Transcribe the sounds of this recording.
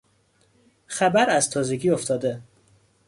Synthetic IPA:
xæbæɾæzt̪ʰɒːzeɡiːoft̪ʰɒːd̪e

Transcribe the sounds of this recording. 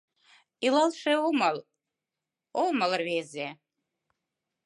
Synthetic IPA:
ilɑlˠʃeomɑl | olməlrβeze

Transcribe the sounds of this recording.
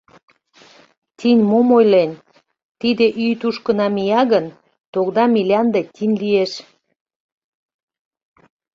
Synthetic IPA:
t̪ʲinʲmomojlen | t̪id̪eʔyjt̪uʃkə̆nɑmijɑɣən | t̪oɣd̪ɑmilʲɑnd̪et̪ʲinʲlieʃ

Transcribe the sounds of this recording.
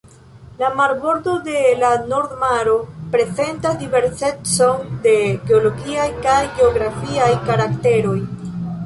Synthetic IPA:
lamaɾbo̞ɾdo̞de̞lano̞ɾdmaɾo̞pɾe̞ze̞ntasdive̞ɾse̞t͡so̞nde̞ɡe̞olo̞ɡiajkajɡe̞oɡɾafiajkaɾakte̞ɾo̞j

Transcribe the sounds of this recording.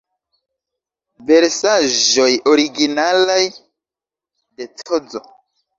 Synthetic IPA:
ve̞ɾsaʒo̞jo̞ɾiɡinalaj | de̞tʰod͡zo̰

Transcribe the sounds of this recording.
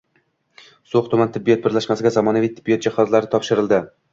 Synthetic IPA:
soχt̪ʰʊmant̪ʰɪbːijɒt̪̚bɪɾlaʃmasɪɡʲazamɒnavijt̪ʰɪbːijɒt̪̚d͡ʒahɒzlaɾɪt̪ʰɒpʃɪɾɪlˠd̪ɪ

